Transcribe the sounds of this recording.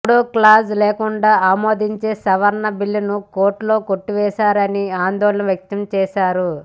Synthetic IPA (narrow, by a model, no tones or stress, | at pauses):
ɽoːklaːsleːkuɳɖaːaːmo̞ːd̪iɲt͡ʃe̞ːsɐʋɐɾnɐbilːinuko̞ːɾʈlo̞ːkoʈːiʋɛːʃaːɾɐniaːnd̪ɔːlɐnɐʋjɐk̚t̪ɐmt͡ʃɛːʃaːɾu